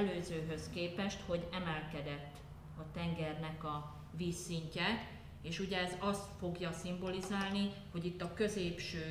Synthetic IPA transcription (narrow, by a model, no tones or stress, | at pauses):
løːzøːɦø̞skeːpɛʃt̪ho̞ɟɛmɛlkɛd̪ɛt̪ː | ɒt̪ɛŋɡɛrnɛkɒ | viːsːiɲcɛ | eːʃuɟɛːzɒst̪fo̞ɡjɒsimbo̞lizaːlniho̞ɟit̪ːɒkø̞zeːpʃøː